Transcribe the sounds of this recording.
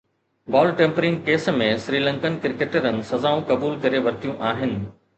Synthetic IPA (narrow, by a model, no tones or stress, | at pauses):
bɔːlʈẽːmpɾɪ̃ŋɡkeːsmẽsɾiːlɐ̃ŋkənkɪɾkeːʈəɾənɪ̆sɐzaːũkɐbuːlkɐɾeʋɐɾt̪ʰijũʔaːɦɪnɪ̆